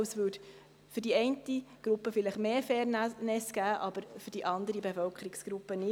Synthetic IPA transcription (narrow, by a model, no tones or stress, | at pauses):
svøt | fʏɾdiɛɪntiɡ̥ɾupːəfɪlɪχmeːfɛːnnɛsɡ̥æːʔɑb̥əɾfʏd̥iʔɑnd̪əɾibefœlkʰəɾiksɡ̥ɾupːənɪ